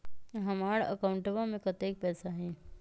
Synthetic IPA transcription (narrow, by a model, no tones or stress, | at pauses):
ɦɐmaːɽə̰kaʊɳʈəbamẽkɐt̪eːk̚pɛːsaɦɛ̃ː